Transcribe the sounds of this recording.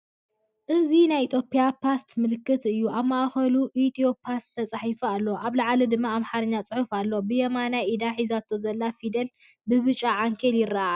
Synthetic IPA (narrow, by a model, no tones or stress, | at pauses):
ʔɨzinajʔit̪ʰjo̞pʰijapʰast̪mɨlɨkːɨt̪ɨjːuʔaβmaʔxɐluʔit̪ʰio̞pʰast̪ʰːɐt͡sʼaħifualːoʔaβlaʕalid̪ɨmːaːmħaɾɨɲːat͡sʼɨħufalːobɨjɛmanaid̪aħizat̪ʰozɐlːafid̪ɐl | bɨβɨt͡ʃʼaʕaŋkʰeljɪɾːaʔa